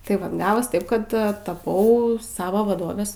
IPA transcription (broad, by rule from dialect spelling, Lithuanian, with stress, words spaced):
tɐɪ ˈʋɐ ˈɡɑːʋoːs ˈtɐɪp ˈkɐt tɐˈpɐʊ ˈsɑːʋoː ʋɐˈdoːʋʲeːs